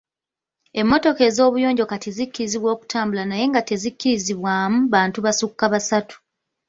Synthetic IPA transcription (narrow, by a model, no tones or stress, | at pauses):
e̞mːo̞to̞ke̞ːzo̞ːβujo̞ːɲɟo̞katizikːiɾiziβwo̞ːku̥tʰaːmbulanaje̞ŋɡate̞zikːiɾiziβwaːmuβaːntuβasukːaβasatu̥